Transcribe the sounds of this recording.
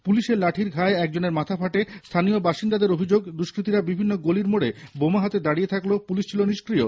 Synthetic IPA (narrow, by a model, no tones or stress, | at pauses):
puliʃeɾlaʈʰiɾɡʱaeɛk̚d͡ʑoneɾmat̪ʰafʰaʈest̪ʰanijobaʃind̪ad̪eɾobʱid͡ʑoɡd̪uʃkɾit̪iɾabibʱinːoɡoliɾmoɽebomaɦat̪ed̪aɽijet̪ʰaklopuliʃt͡ɕʰiloniʃkɾio